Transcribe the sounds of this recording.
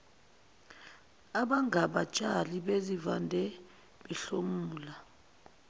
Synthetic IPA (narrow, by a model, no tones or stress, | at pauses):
aɓaŋʱaɓat͡ʃʼaliɓezivandʱɛ | ɓɛɬomuːuːla